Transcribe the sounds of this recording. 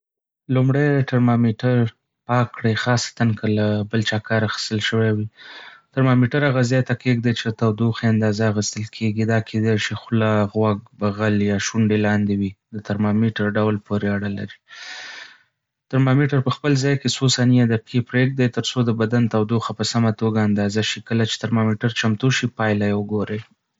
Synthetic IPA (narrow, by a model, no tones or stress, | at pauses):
lumɽajʈaɾmamiʈaɾ | pɑkːɽajxɑsḁt̪ankʰəlabəlt͡ʃɑkɑɾaxi̥st̪əlʃəwawitaɾmamiʈaɾaɣazɑt̪akeɡ̚d̪ajt͡ʃet̪awd̪uxeand̪ɑzaaɣist̪əlkʰeɡid̪ɑkʰed̪ajʃixlɑɣwaɡ̚baɣaljɑʃuɳɖelɑnd̪ewid̪ət̪aɾmɑmiʈaɾɖawlpoɾeaɽala̰ɾi | t̪aɾmɑmiʈaɾpəxpəlzɑjkesosaniad̪ap̚kipɾeɡ̚d̪ajt̪əɾsod̪əbad̪ant̪awd̪uxapəsamat̪oɡaːnd̪ɑzaʃikəlat͡ʃe̥t̪aɾmamiʈaɾt͡ʃamt̪uʃipɑjlajwəɡoɾəj